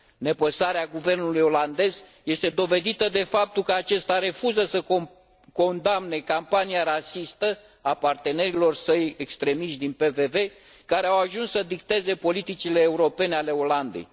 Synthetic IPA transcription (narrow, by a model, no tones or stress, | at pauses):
ne̞pəsaɾeaɡuve̞rnulujo̞land̪e̞z | je̞st̪e̞d̪o̞ve̞d̪it̪əd̪e̞fap̚t̪ulkəat͡ʃe̞st̪aɾe̞fuzəsə | ko̞nd̪amne̞kampaniaɾasist̪ə | apart̪e̞ne̞ɾilo̞rsəje̞kst̪ɾe̞miʃt̪̚d̪inpe̞ve̞ve̞ | kaɾeawaʒunsːəd̪ik̚t̪e̞ze̞po̞lit̪it͡ʃile̞ːuɾo̞pe̞neale̞o̞land̪e̞̰j